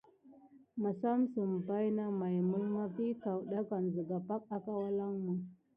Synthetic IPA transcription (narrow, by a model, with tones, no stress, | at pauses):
ma˨sa˦m˦sə˨m˨ba˦jna˦ma˨jmə˦lma˦ki˦ta˨wɗa˦ka˨n˨zə˨ɡa˨pa˦k̚a˦ka˦wa˦la˦ŋmu˨